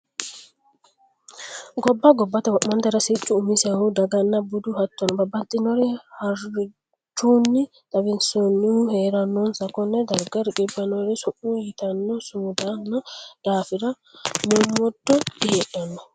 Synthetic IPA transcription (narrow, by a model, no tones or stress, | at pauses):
ɡɔbːɐɡɔbːɐt̪ɐwʔmɐnd̪ɐɾɐsɪt͡ʃːʊːmɪsɛhud̪ɐɡɐnːɐbʊd̪uhɐt̪ːɔnɔbɐbːɐt̪ʼːɪnɔɾɪhɐɾ | t͡ʃuːnːɪ | t̪ɐbɪnsɔnːɪuheːɾɐnːɔnsɐkːɔnːɛd̪ɐɾɡɐɾkʼɪbːɐnɔɾɪsɔʔujɪt̪ɐnːɔsuːd̪anɐd̪̥aːfɪɾɐ | mumːɔdːɔdɪhɛɗɐnɔ